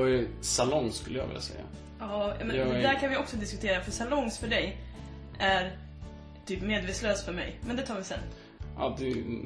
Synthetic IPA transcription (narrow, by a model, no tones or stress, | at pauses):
ɛɾsalɔŋskɵləjɑ̰ɡvɪ̰lːa̰sɛ̰jːa̰ | ɑːjɑ̰ːmɛnd̪æɾkʰanvɪɔksɔd̪ɪskɵt̪ʰeːɾafœʂalɔŋːsfœɖɛj | ʔæɾ | t̪ʰyːpmeːd̪veːt̪sløːsfœɾmɛ̰jmɛnd̪ɛt̪ʰɑːɾvɪsɛ̰nː | ʔɑ̰ːd̪ɛ